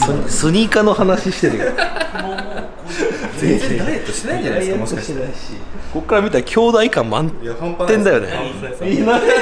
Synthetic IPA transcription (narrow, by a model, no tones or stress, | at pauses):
soɲsɨɲ̟ikano̞hanaɕiɕi̥t̪eɾɯj̪ | et̪ː | aiko̞kːaɾamʲit̪aɾkʲʰo̞ːd̪aikãmmã̰nẽ̞nd̪ajo̞̰nḛ | na